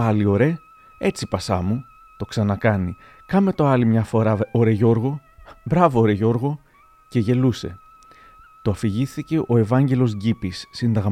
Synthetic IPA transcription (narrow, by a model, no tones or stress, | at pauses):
ɐlio̞ɾe̞ | e̞t͡sipɐsɐmu | t̪o̞ksɐnɐkɐni | kɐme̞t̪o̞ɐlimɲɐfo̞ɾɐoɾe̞ʝo̞ɾɣo̞bɾɐvooːɾeʝo̞ɾɣo̞ | ce̞ʝe̞luse̞̰ | t̪oɐfiʝiθθice̞ʔo̞e̞vɐɲɟe̞lo̞zʝipisːind̪ɐɣ